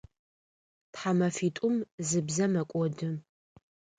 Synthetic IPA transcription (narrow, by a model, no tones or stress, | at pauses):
tħamɐfiːtʼʊmzɨbzɐmɐkʷʼɔdɨ